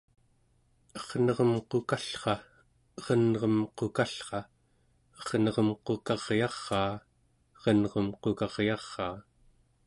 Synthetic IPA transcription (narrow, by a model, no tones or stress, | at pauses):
ʌʁnʌʁʌmqokaɬχɑ | ʁʌnʁʌmqokaɬχɑ | ʌʁnʌʁʌmqokɑʁjɑʁːɑː | ʁʌnʁʌmqokɑʁjɑʁːɑː